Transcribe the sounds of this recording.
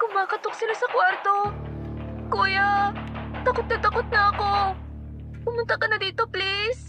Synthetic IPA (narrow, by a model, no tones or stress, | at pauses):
kʊmaːkɐt̪ok̚sɪlasɐkwaɾt̪o̞ | kuːja | t̪ɐkot̪̚nɐt̪ɐkot̪̚nɐʔɐko̞ | pʊmʊnt̪ɐkɐnɐd̪iːt̪o̞plis